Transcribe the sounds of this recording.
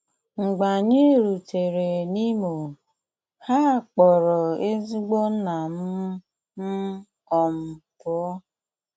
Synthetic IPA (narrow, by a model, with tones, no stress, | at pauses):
ŋ͡m̩˨ɡ͡ba˨ɲe˦ɾu˨te˨ɾe˨ni˦mo˨ | ha˦˨k͡pɔ˨ɾɔ˨e˦zi˦ɡ͡bo˦na˨m̩˦ | m̩˦ | ɔ˨m̩˨pʊ˦ɔ˦